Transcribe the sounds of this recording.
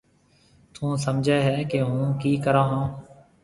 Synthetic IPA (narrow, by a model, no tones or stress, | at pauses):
t̪ʰũːsəmd͡ʒʱeːɦɛːkeɦũːkiːkəɾãːɦãː